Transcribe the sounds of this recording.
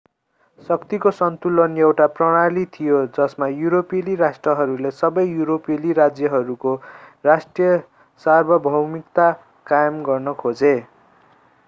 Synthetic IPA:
sʌkt̪ikosʌnt̪ulʌnjewʈaprʌɽ̃alit̪ʰijod͡zʌsmajuɾopeliɾasʈrʌɦʌɾulesʌbʌjjuɾopeliɾad͡zjʌɦʌɾukorasʈrijʌ | sarbʱʌbʱʌwmikt̪a | kajʌmɡʌrnʌkʰod͡ze

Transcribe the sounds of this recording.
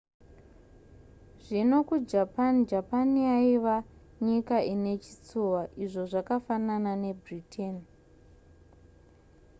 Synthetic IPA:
ʐ̥ino̞kud͡ʒapand͡ʒapanijaiʋa | ɲikaʔine̞t͡ʃi̥t͡suwaʔiʐo̞ʐakafananane̞britʰen

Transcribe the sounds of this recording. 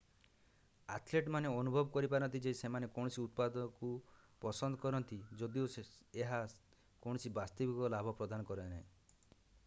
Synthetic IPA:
a̰t̪ʰleʈmaneɔnubʱɔbɔkɔɾipaɾɔnt̪id͡ʒesemanekɔɳɔsiut̪̚pad̪ɔkupɔsɔnd̪ʱɔkɔɾɔnt̪id͡ʒod̪ioeɦa | koɽ̃ɔsibast̪ɔbikɔlabʱɔpɾɔd̪anɔkɔɾenaẽ

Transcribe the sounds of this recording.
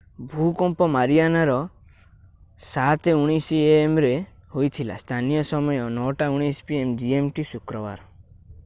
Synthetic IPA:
bʱukɔmpɔmaɾijanaɾɔ | sat̪euɽ̃isieːmɾehojt̪ʰila̰st̪ʰanijɔsɔmɔjɔnɔwʈauɽ̃ispiemd͡ʒiemʈisukɾɔba̰ɾ

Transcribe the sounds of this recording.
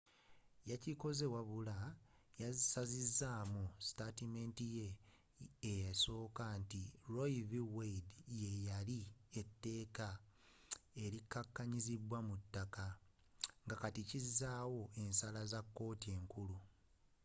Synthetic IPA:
jaciko̞ze̞waβula | jasazizːaːmustatime̞ːntije̞ː | jaso̞ːkantiɾo̞jiviwedje̞jalietːe̞ːka | e̞ɾikːakːaɲizibwamutːaka | ŋɡakaticizːaːwo̞e̞nsalazakːo̞ːtie̞ːŋkulu

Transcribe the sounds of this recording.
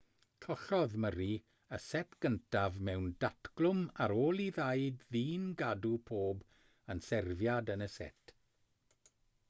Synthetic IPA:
kʰɔɬɔðməɾi | əsɛtʰɡ̥əntʰavmɛwndatʰɡ̥lˠʊmaɾoːlˠiðajdðiːnɡadupʰoːb | ənsɛrvjadənəsɛ̰tʰ

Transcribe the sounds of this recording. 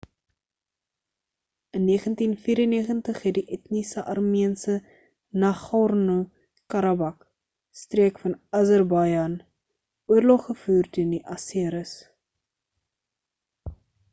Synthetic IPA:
ənːiəχəntinfiːɾənːiəχəntəχɦɛt̚diʔɛtnisəʔɐrmiənsə | naχɑrnu | kɐɾɐbɐk | striəkfɐnɐzərbɐjɐn | uərlɔχːəfuːrtyəndiʔɐsiəɾəs

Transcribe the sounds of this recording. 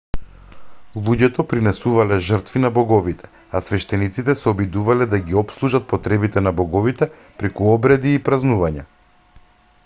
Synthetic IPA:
lˠuɟɛt̪ɔpɾinɛsuvalɛʒər̩t̪vinabɔɡɔvit̪ʰɛ̥ | asvɛʃt̪ɛnit̪sit̪ɛsɛɔbid̪uvalɛd̪aɡiɔpslˠuʒat̪̚pɔt̪ɾɛbit̪ɛnabɔɡɔvit̪ɛ | pɾɛkuɔbɾɛd̪iːpɾaznuvaɲa

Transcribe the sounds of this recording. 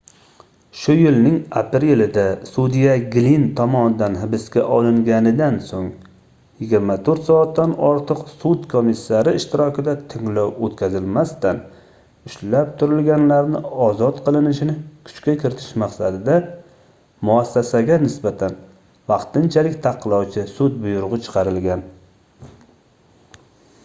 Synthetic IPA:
ʃʊjɪlnɪŋapelɪd̪asud̪ijaɡʲlint̪ʰɒmɒnɪd̪anɦɪbɪskʲaʔɒlˠɪŋɡʲanɪd̪ansoŋ | jɪɡʲɪɾmat̪ʰoɾt̪sɒːt̪ːanɒɾt̪ʰɨqsut̪kʰomisːaɾɪːʃt̪ɪɾɒkʲɪd̪at̪ʰɪŋlɒwot̪kʲʰazɪlmast̪an | ʊʃlap̚t̪ʰʊɾɪlɡʲanlaɾnɪɒzɒt̪qʰɨlˠɪnɪʃɪnɪkʰʊ̥t͡ʃkʲakʲʰɪɾɪt̪ʰɪ̥ʃmaqsad̪ɪd̪a | mʊasːasaɡʲanɪsbat̪ʰan | vɑqt̪ɪnt͡ʃʰalɪkʲt̪ʰɑqʰːɨlˠɒwt͡ʃʰɪsʊt̪̚bʊjʊɾʁɨt͡ʃʰɨ̥qʰɑɾɪlɡʲan

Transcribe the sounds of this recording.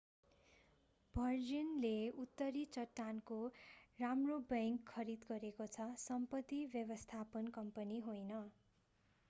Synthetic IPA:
bʱʌrd͡zinleut̪ːʌɾit͡sʌʈːankoramrobʌŋkʰːʌɾid̪ɡʌɾekot͡sʰʌsʌmpʌt̪ːibjʌβʌst̪ʰapʌnkʌmpʌniɦojnʌ

